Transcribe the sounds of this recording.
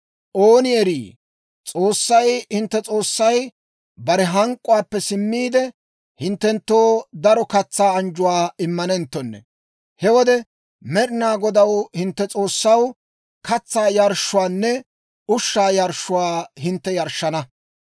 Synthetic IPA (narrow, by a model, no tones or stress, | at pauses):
ʔoːnɪɛɾiː | t͡sʼo̞ːsːɐjhɪnt̪ːɛt͡sʼo̞ːsːɐj | bɐɾɛɦɐŋkʼːʊwaːpːɛsɪmːiːd̪ɛ | hɪnt̪ːɛnt̪ːoːd̪ɐɾɔkɐt͡sːaːɐnd͡ʒʊwaːɪmːɐnɛnt̪ːɔnːɛ̰ | hɛwɔd̪ɛ | mɛɾɪnaːɡɔd̪ɐwhɪnt̪ːɛt͡sʼo̞ːsːɐw | kɐt͡sːaːjɐɾʃːʊwaːnːɛ | ʊʃːaːjɐɾʃːʊwaːhɪnt̪ːɛjɐɾʃːɐnɐ